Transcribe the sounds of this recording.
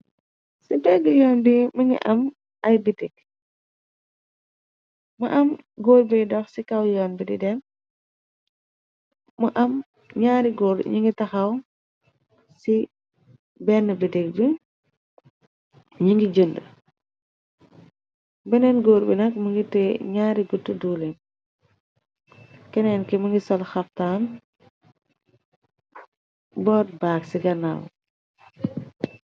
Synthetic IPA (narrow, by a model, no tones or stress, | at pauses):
sipɛɡəjɔːnbiməŋɡḭʔɐm | ɐjbitik̚ | mɐʔɐmɡoːɾbidɔxsikɐwjɔːnbidḭdɛm | mɐʔɐm | ɲaːɾiɡoːɾɲiŋɡitɐxɐw | si | bɛnːəbidɛk̚bi | ɲiŋɡiɟəndə | bɛnɛnɡoːɾbḭnɐk̚muŋɡitɛɲaːɾiɡutːəduːlɛn | kɛnɛːnkɛmuŋɡisɔlxɐftaːn | bɔːt̚baːksiɡɐnːa̰w̰